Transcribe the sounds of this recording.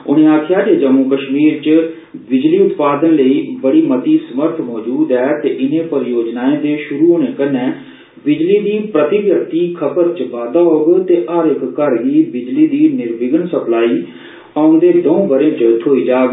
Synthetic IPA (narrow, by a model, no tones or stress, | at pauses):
ʊ̰ñẽːaːt̪ʰjaːd͡ʒeːd͡ʒəmuːkəʃmiːɾt͡ʃ | bɪd͡ʒliːʊt̪paːd̪ənləiːbəɽiːmət̪iːsəməɾt̪ʰmɔːd͡ʒuːd̪ɛːt̪eːʔɪnẽːpəɾjoːd͡ʒnaːẽːd̪eːʃʊɾuːoːnẽːkənɛ̃ː | bɪd͡ʒliːd̪iːpɾət̪ɪbjək̚t̪iːkʰəbəɾt͡ʃʋaːd̪aːɦoːɡt̪eːʔəɾɪkːəɾɡiːbɪd͡ʒliːd̪iːnɪɾbɪɡənsəplaːiː | aʊnd̪eːd̪oũːbəɾẽːt͡ʃt̪ʰoːiːd͡ʒaːɡ